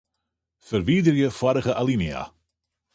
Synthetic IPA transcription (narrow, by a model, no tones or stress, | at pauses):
fəɾviːdɾjəfwaɾəɣəʔalˠinja̰